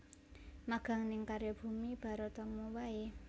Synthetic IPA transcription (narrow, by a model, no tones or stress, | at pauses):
maɡ̥a̤ŋnɪŋkaɾjob̥ṳmib̥a̤ɾot̪ɔmɔwae